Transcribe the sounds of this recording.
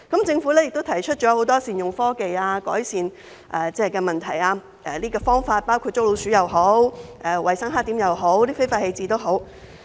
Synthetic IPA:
kɐ˨˥mt͡sɪ˧ŋfu˨˥lɛː˥jɪ˨k̚t̪wt̪ʰɐ˨˩jt͡ʃʰɵ˥t̚t͡ʃɔː˨˥ho˨˥wt̪ɔː˥siː˨˩njʊ˨ŋfɔː˥ke˧jaː˧kɔ̰ː˨˥jsiː˨n | ʔɛː˨t͡sɛː˥˨kɛː˧mɐ˨nt̪ʰɐ˨˩jaː˧ | ʔɛ˨liː˥kɔː˧fɔː˥ŋfaː˧t̚paː˥wkʰu˧t̚t͡so˥wlo˨˧wsyː˨˥jɐ˨wɦo˨˥wʔɛ˨˧wʔɐ˨˩jsɐ˥ŋɦaː˥k̚t̪iː˨˥mjɐ˨wɦo˨˥wtliː˥fe˥jfaː˧t̚he˧jt͡siː˧t̪o˥wɦo˨˥w

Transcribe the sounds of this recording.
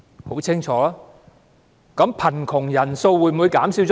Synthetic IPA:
ho˨˥wt͡sʰɪ˥ŋt͡ʃʰɔː˨˥laː˥ | kɐ˨˥mpʰɐ˨˩nkʰʊ˨˩ŋjɐ˨˩nso˧wwuː˨˥jm̩˨u˨˧jkaː˨˥msiː˨˧˥wt͡ʃɔ

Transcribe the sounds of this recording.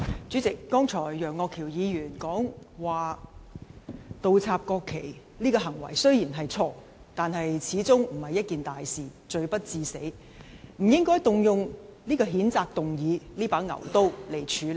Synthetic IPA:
t͡syː˨˥t͡sɪ˨kːɔː˥ŋt͡sʰɔː˨˩jːœː˨˩ŋːɔː˧kʰiː˨˩wjiː˨˧jyː˨˩nkɔː˨˥ŋwaː˨ | t̪o˨˧wt͡sʰaː˧p̚kɔː˧kʰːe˨˩j | liː˥kɔː˧ɦɐ˨˩ŋwɐ̰˨˩jsɵ˥ɥjiː˨˩nɦɐ˨jt͡sʰɔː˧ | t̪aː˨nɦɐ˨jt͡sʰiː˨˥t͡sʊ˥ŋm̩˨˩hɐ˨jːɐ˥t̚kiː˨nt̪aː˨jsiː˨˩t͡ʃɵ˧ɥpɐ˥t̚t͡siː˧se˨˥j | m̩˨˩jɪ˥ŋkɔː˥jt̪ʊ˨ŋjʊ˨ŋniː˥kɔː˧ɦiː˨˥nt͡saː˧k̚t̪ʊ˨ŋjiː˨˧liː˥paː˨˥ŋɐ̰˨˩wt̪o˥wle˨˩jt͡ʃʰyː˨˥

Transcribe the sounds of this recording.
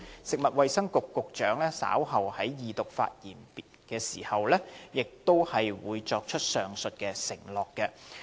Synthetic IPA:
sɪ˨k̚mɐ˨t̚wɐ˨jsɐ˥ŋkʊ˨kːʊ˨k̚t͡ʃœː˨˥ŋlɛː˥sa̰ː˨˥wɦɐ˨whɐ˨˥jjiː˨t̪ʊ˨k̚fa̰ː˧t̚jiː˨˩npi˨kɛː˧siː˨˩hɐ˨wlɛː˥jɪ˨k̚t̪o˥whɐ˨jwuː˨˧jt͡ʃɔː˧k̚t͡ʃʰɵ˥t̚sœː˨ŋsɵ˨t̚kɛː˧sɪ˨˩ŋlɔː˨˩kːɛ˧

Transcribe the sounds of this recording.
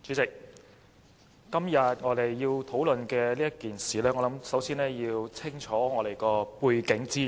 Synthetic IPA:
t͡ʃy˨˥t͡sɪ˨k̚ | kɐ˥mjɐ˨t̚ŋɔː˨˧t̪e˨jːiː˧wt̪ʰo˨˥wlɵ˨nkɛː˧liː˥jɐ˥kiː˨nsiː˨lɛː˥ŋɔ˨˧lɐ˨˥msɐ˨˥wsiː˥nɛː˥jiː˧wt͡sʰɪ˥ŋt͡ʃʰɔː˨˥ŋɔː˨˧ɾe˨˩jkɔː˧puː˧jkɪ˨˥ŋt͡siː˥

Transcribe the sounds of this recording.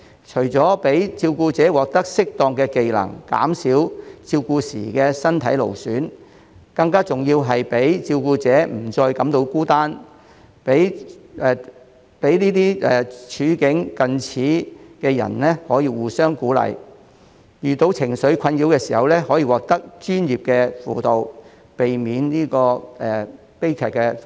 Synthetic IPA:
t͡ʃʰɵ˨˩jt͡sɔː˨˥pe˨˥jt͡siː˧wkuː˧t͡sɛː˨˥wɔː˨k̚t̪ɐ˥k̚sɪ˥k̚t̪ɔː˨ŋkɛː˧ke˨jlɐ̰˨˩ŋka̰ː˨˥msiː˨˥wt͡siː˧wkuː˧sḭː˨˩kɛː˧sɐ˥nt̪ʰɐ̰˨˥jlo̰˨˩wsyː˨˥n | kɐ˧ŋkaː˥t͡sʊ˨ŋjiː˧wɦɐ˨jpe˨˥jt͡siː˧wkuː˧t͡sɛː˨˥m̩˨˩t͡sɔː˧jkɐ˨˥mt̪o˧wkuː˥t̪aː˥n | pe˨˥j | pe˨˥jniː˥t̪̬iː˥ɛ˨t͡ʃʰyː˨˥kɪ˨˥ŋkɐ˨nt͡sʰiː˨˥kɛː˧jɐ̰˨˩nlɛ˥hɔː˨˥jiː˧wuː˨sœː˥ŋkuː˨˥lɐ̰˨j | jyː˨˩t̪o˨˧˥wt͡sʰɪ˨˩ŋsɵ˨˥ɥkʰɐ˧njiː˨˥wkɛː˧siː˨hɐ˨wlɛː˥hɔː˨˥jiː˧wɔː˨k̚t̪ɐ˥k̚t͡ʃyː˥njiː˨p̚kɛː˧fṵː˨t̪o˨w | pe˨jmiː˨˧nniː˥kɔː˧ɛː˨˩ | pe˥jkʰɛː˨kːɛ˧

